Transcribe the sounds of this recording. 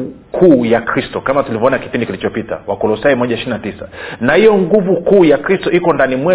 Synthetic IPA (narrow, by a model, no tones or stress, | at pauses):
kʰuːjakɾistɔkamatulivɔɔnaki̥pindikilit͡ʃɔpita̰wakɔlɔsaimɔʄaiʃiɾinatisa̰nahijɔŋɡuvukuːjakɾistɔikɔndanimwɛ